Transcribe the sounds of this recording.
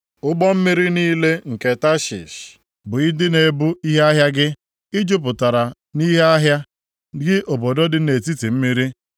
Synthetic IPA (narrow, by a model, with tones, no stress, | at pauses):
ʊ˦ɡ͡bɔ˦m̩˦mi˦ɾi˦niː˦le˦ŋ̩˨ke˨ta˦ʃḭ˨ʃ | bʊ˨ɪ˦dɪ˦ne˨bu˦i˦ɦe˦a˦ɦja˦ɡɪ˦ | ɪ˦d͡ʒʊ˦p̬ʊ˨ta˨ɾa˨ | ni˦ɦe˦a˦ɦja˦ | ɡɪ˦ʔo˨bo˨do˦dɪ˦ne˨t̬i˦ti˨m̩˦mi˦ɾi˦